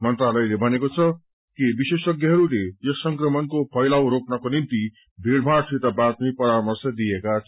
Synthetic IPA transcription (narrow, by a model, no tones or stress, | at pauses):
mʌnt̪ralʌjlebʱʌnekot͡sʰʌ | kibisesʌɡjʌɦʌɾulejʌsʌŋkrʌmʌnkopʰʌjlawɾoknakonint̪i | bʱeɽbʱasʰet̪abat̪̚mipʌɾamʌrsʌd̪ijekat͡sʰ